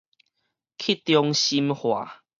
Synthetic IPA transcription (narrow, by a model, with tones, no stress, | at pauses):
kʰi˦t̪jɔ˧ŋɕi˦mhwa˨˩